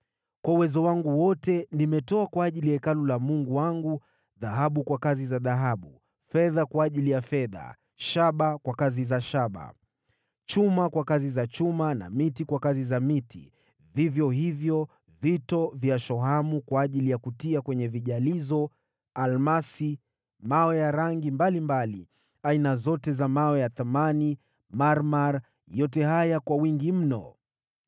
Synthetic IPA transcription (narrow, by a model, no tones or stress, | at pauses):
kwauwɛzɔwaŋɡuwɔtɛnimɛtɔakwaːʄilijaɛkalulamuŋɡuwaŋɡu | ðaɦaɓukwakazizaðaɦaɓu | fɛðakwaːʄilijafɛða̰ | ʃaɓakwakazizaʃaɓa̰ | t͡ʃumakwakazizat͡ʃumana̰mitikwakazizamitḭ | vivjɔɦivjɔ | vitɔvjaʃɔɦamukwaːʄilijakutiakwɛɲɛviʄalizɔ | almasi | mawɛjaɾaŋɡimbalimbalḭ | ainazɔtɛzamawɛjaθamani | maɾmaɾ | jɔtɛhajakwawiŋɡim̩nɔ̰